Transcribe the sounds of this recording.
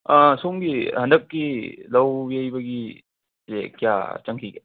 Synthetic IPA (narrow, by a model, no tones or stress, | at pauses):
asuŋɡihɐndɐkːilɐwbijɐjbɐɡi | zekija̰t͡ʃɐŋkʰiɡe